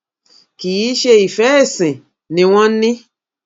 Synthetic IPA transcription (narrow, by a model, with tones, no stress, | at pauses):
ki˨ji˨˦ʃe˧i˨fɛ˨˦e˦˨sĩ˨ | nĩ˨w̃ɔ̃˦nĩ˦